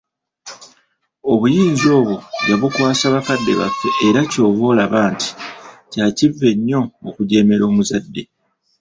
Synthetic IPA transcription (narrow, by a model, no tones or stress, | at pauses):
o̞βujiːɲzo̞ːβoβaβukwaːsaːβakadːe̞̰βa̰fːe̞ʔeɾaco̞ːβo̞ːlaβaːnti̥caːcivːe̞ɲːo̞okuɟe̞ːme̞ɾo̞ːmuzadːe̞